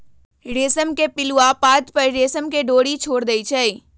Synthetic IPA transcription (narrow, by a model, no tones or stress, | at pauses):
ɾeːsəmkepɪluapaːt̪pɐɾɾeːsəmkeɖoːɽit͡ʃʰoːɽd̪əit͡ʃʰɛi